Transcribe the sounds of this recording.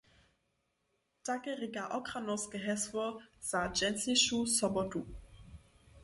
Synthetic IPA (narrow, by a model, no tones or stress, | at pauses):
takəʁɪɡaʔɔkʁ̥anɔskəɦɛsvɔz̥ad͡ʒɛnsiʃusɔbɔtu